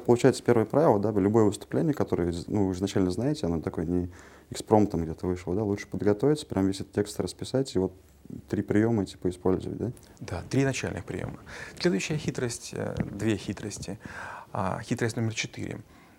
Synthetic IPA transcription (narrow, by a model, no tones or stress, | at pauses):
pəlˠʊt͡ɕæjɪt̪sə̥pʲe̞ɾvəjəpɾavʲɪlˠəd̪alʲʊbo̞jəvɨst̪ʊ̥plʲenʲɪjəkɐt̪o̞ɾəjənuvɨɨznɐt͡ɕælʲnəznajɪtʲɪɐnot̪ɐko̞jənʲɪ | ɪkspɾo̞mt̪amɡdʲet̪əvɨʂləəd̪alˠut͡ʂʂɨ̥pəd̪ɡɐt̪ovʲɪt̪səpɾʲʔamvʲes̬ʲɛt̪ətʲːekst̪ɾəspʲɪsatʲivo̞t̪ː | ɾʲipɾʲɪjo̞mətʲi̥pəɪspo̞lʲzə̰və̰t̚ʲd̪a | d̪a̰t̪ɾʲiɪznɐt͡ɕæ̰lʲnɨ̰xpɾʲɪ̰jo̰məsʲlʲe̞d̪ʊjɕːɪjəxʲit̪ɾəsʲtʲd̪vʲexʲit̪ɾəsʲtʲɪa̰xʲit̪ɾəsʲtʲnomʲɪrt͡ɕɪt̪ɨ̰ɾʲɪ̰